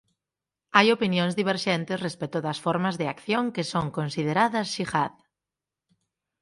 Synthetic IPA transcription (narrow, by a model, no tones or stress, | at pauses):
ajopinjoŋzðiβ̞eɾʃɛnt̪ɪsrespɛt̪ʊðɐsfɔɾmɐzðɪakθjoŋkɪsoŋkonsiðeɾaðɐsʃixað